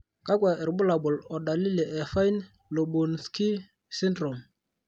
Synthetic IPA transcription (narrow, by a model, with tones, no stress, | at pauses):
ka˦kwa˨ʔɛ˨ɾbʊ˦la˨bʊ˨lɔ˨da˨li˦le˨ʔɛ˨fa˦jn | lo˨bu˨nski˦ | si˦ndɾɔ˨m